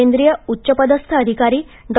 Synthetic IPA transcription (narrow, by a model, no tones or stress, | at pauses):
end̪ɾijəutːɕəpəd̪əst̪ʰəːd̪ʱikaɾiː | d̪